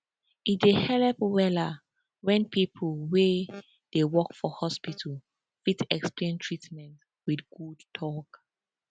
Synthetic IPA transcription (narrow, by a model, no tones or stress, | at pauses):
ʔitdehɛlɛpwɛla | wɛ̃npʰipʰəlwe | d̥ewɔkfɔhɔspitʰəl | fitɛksplẽntʰɹitmɛ̃nt | wiθɡ̥udtʰɔk